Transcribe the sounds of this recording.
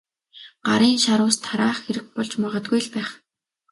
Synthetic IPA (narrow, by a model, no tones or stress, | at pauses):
ɢ̥aɾiːnʃaɾʊːst̪ʰaɾaːχxeɾɘ̆k̚pɔɮt͡ɕmaʁə̆t̪̚ɡujɮpæːχ